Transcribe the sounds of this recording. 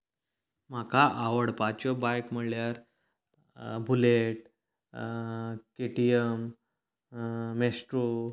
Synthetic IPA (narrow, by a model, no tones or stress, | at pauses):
m̤akaʔaʋəɽpat͡ɕjɔbajkm̤əɭljaɾ | bʱuleʈ̚ | keʈijəm | esʈɾo